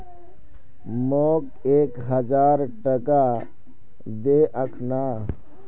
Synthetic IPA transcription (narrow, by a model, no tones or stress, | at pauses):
moːk | eːkɦɐd͡ʒaːɾʈəka | d̪eːʔəkʰnaː